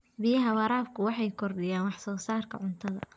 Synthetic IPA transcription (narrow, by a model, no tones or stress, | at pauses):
bɪjɐɦɐwɑɾaːfkʰʊwɑħɑjkʰɔrɗɪjaːnwɑħsɔːsaːrkʰɐ̰ʕʊnt̪ʰɐðɐ̰